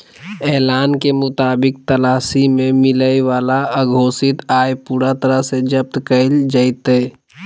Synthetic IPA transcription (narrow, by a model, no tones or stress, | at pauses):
ɛːlaːnkemʊt̪aːbɪk̚t̪əlaːsimẽmɪləjʋaːlaəɡʱoːsɪt̪aːepuːɾat̪əɾəɦsed͡ʒəp̚t̪kəld͡ʒəɪt̪eː